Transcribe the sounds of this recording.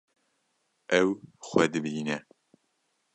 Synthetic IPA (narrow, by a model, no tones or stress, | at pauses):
ʔɛwxʷɛd̪ɨbiːnɛ